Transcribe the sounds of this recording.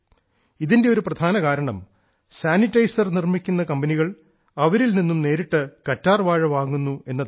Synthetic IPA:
iðindeo̞ɾuprɐd̪ʱaːnɐkaːɾɐɳɐm | saːnitːɐjsɐrnirmikʲːunːɐkɐmbɐniɣɐɭ | ɐʋɐɾilninːumne̞ːɾiʈːɨkɐtːaːrʋaːɻɐʋaːŋːunːue̞nːɐð

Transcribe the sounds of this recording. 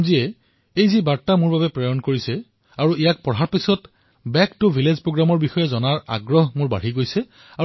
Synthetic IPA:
ziɛ | ejzibaɹtamʊɹbabɛpɹɔjɔnkoɹisɛ | aɹuʔijak̚pɔɹaɹpisɔt | bɛktʊbʱilezpɹoɡɹamɔɹbixɔjɛzɔnaɹa̰ɡɹɔɦmʊɹba̰ɹ̤iɡojsɛ | a

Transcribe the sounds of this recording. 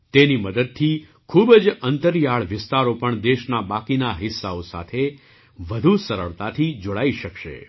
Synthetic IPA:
t̪eniməd̪əd̪̚t̪ʰi | kʰubəd͡ʒənt̪əɾijaɭʋɪst̪aɾopəɳd̪eʃnabakinaɦɪsːaosa̰t̪ʰe | ʋəd̪ʱusəɾə̰ɭt̪at̪ʰid͡ʒoɭaiʃəkʃḛ

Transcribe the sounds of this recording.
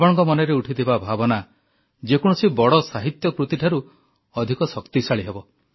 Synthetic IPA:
bɔɽ̃ɔŋkɔmɔneɾeuʈʰit̪ʰibabʱabɔna | d͡ʒekɔɽ̃ɔsibɔɽɔsaɦit̪jɔkɾut̪iʈʰaɾu | ɔd̪ʱikɔsɔkt̪isaɭiɦebɔ

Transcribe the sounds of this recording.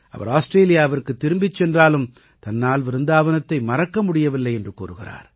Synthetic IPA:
ʔɐ̰ʋɐ̰ɾaːsʈɾeːlɪjaːɐʋɐɾkɯt̪ːɪɾɯmbɪt͡ʃːɛndraːlɯm | t̪ɐnːaːlʋɪɾɯnd̪aːʋɐnɐt̪ːɐɪmɐrɐkːɐmʊɽɪjɐʋɪlːɐɪɛndrɯkuːɾɯɣɪra̰ːɾ

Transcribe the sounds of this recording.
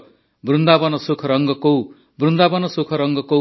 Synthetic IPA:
brund̪abʌnʌsukʰʌɾʌŋɡʌkow | brund̪abʌnʌsukʰʌɾʌŋɡʌko

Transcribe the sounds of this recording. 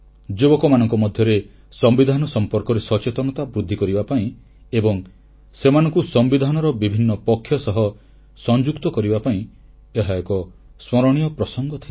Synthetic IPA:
d͡ʒebɔkɔmanɔŋkɔmɔd̪ʱjɔɾe | sɔmbid̪ʱanɔsɔmpɔɾkɔɾesɔt͡ʃet̪ɔnɔt̪abɾud̪ʱːikɔɾibapaĩ | ebɔŋ | semanɔŋkusɔmbid̪ʱanɔɾɔbibʱinːɔpɔkʰːjɔsɔɦɔ | sɔnd͡ʒukt̪ɔkɔɾibapaĩ | eɦajɔkɔ | smɔɾɔɽ̃ijɔpɾɔsɔŋɡɔt̪ʰil

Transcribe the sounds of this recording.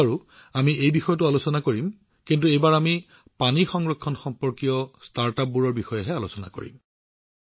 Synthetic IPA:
aɹu | amiʔejbixɔjɔt̬ʊalosɔnakoɹim | kint̬uejbaɹami | panixɔŋɹɔkʰːɔnxɔmpɔɹkijɔstaɹtap̚buɹɔɹbixɔjɛɦɛalosɔna̰ko̰ɹḭm

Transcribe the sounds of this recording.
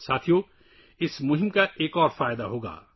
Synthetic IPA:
saːt̪ʰijo | ɪsmʊɦɪmkaʔeːkɔːɾfaːjd̪aɦoːɡa̰ː

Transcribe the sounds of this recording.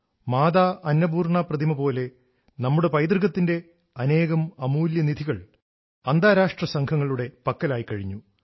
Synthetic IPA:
maːðaːʔɐnːɐbuːrɳaːprɐd̪ʱimɐpo̞ːle̞ | nɐmːuɽe̞pɐjd̪rɣɐt̪ːinde̞ | ɐne̞ːɣɐmɐmuːljɐnid̪ʱiɣɐɭ | ɐnd̪aːɾaːʂʈrɐsɐŋkʰɐŋːɐɭuɽe̞pɐkːɐlaːjikɐɻiɲːu

